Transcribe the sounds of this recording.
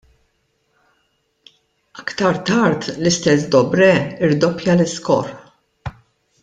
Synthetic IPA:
ɐkt̪ɐɾt̪ɐɾt̪lɪst̪ɛs̬d̪ɔbɾɛɪɾd̪ɔpjɐlɪskɔ̰ɾ

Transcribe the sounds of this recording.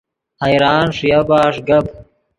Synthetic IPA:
hajɾɑːnʂjabaːʂɡɐb

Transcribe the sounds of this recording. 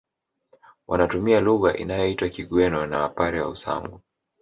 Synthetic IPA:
wʔanatumialuɣaʔḭnajɔitwakiɠwɛnɔnawapaɾɛwa̰usa̰ŋɡu

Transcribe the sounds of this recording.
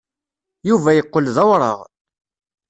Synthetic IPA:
juvæjəqːolðɑwɾˤə̰ʁ

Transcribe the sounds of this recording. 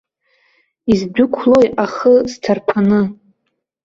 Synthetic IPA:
izbʊkʷʰlojaχəztʰarpʰanɨ

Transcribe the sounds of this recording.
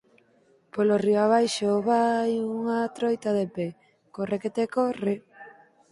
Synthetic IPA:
polorioaβ̞ajʃoβajuŋat̪ɾojt̪aðepe | koreket̪ekore

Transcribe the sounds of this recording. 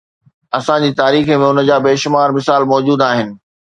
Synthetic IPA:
ɐsãd͡ʑiːt̪aːɾiːxə̆mẽʊnə̆d͡ʑaːbeːʃʊmaːɾmɪsaːlmɔːd͡ʑuːd̪aːɦɪnɪ̆

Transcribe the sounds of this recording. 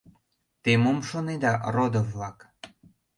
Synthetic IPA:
t̪emomʃoned̪ɑrod̪ovlɑk

